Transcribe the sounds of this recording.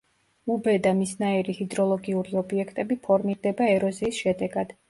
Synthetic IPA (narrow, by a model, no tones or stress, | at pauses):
ubɛd̪amisnaiɾihid̪ɾɔlˠɔɡiuɾiɔbiɛkʰt̪ʼɛbipʰɔɾmiɾd̪ɛbaɛɾɔziːsʃɛd̪ɛɡad̪̥